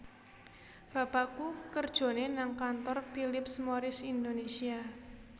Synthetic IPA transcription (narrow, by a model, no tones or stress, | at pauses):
b̥a̤pakukərd̥ʒ̥o̤nenaŋkant̪ɔrfilɪpsmoɾɪsind̪onesia